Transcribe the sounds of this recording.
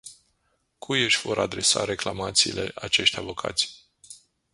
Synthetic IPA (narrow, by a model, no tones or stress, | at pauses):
kʰujɨʃʲv̥o̞ɾʔa̰d̪ɾe̞sa̰ɾe̞klamat̪siːle̞̰ʔat͡ʃe̞ʃt̪ʲavo̞kʰa̰t̪sʲ